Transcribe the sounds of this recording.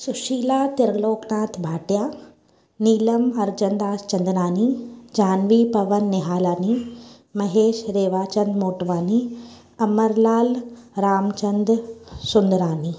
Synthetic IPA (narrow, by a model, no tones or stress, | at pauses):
sʊʃiːlaːt̪ɪɾɡloːknaːt̪ʰbʱaːʈjaː | niːlɐmɐɾd͡ʒɐnd̪aːst͡ʃɐ̃nd̪naːnid͡ʒaːnʋipɐʋɐnːɪɦaːlaːni | mɐɦeːʃɾeːʋaːt͡ʃɐnd̪moːʈʋaːni | ɐməɾlaːlɾaːmt͡ʃɐnd̪sʊnd̪ɾaːni